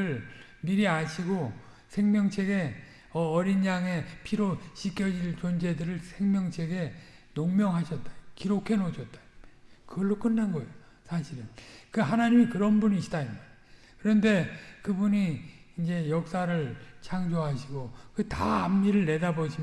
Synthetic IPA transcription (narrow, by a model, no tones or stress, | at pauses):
ɯɭ | miɾiaɕʰiɡo | sʰe̞ŋmjʌŋt͡ɕʰe̞ɡe̞ | ʌʌɾinːaŋe̞pʰiɾoɕʰikʰjʌd͡ʑiɭt͡ɕond͡ʑe̞dɯɾɯɭsʰe̞ŋmjʌŋt͡ɕʰe̞ɡe̞ | noŋmjʌŋɦaɕʰʌt̚t͈akiɾokʰe̞noɕʰʌt̚t͈ḁokɯɡʌɭːok͈ɯnːanɡʌejosʰaɕʰiɾɯnkɯɦanaɲimikɯɾʌnbuniɕʰi̥taina | kɯɾʌnde̞kɯbuɲiːnd͡ʑe̞jʌk̚s͈aɾɯɭt͡ɕʰaŋd͡ʑoɦaɕʰiɡokɯtaːmːiɾɯɭne̞daboɕʰi